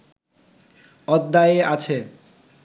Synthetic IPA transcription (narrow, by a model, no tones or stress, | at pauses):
ɔd̪ːajeʔat͡ɕʰe